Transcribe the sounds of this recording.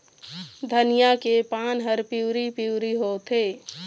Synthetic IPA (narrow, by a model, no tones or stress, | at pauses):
d̪ʱənɪjakepaːnɦəɾpiʊɾipiʊɾiɦot̪eː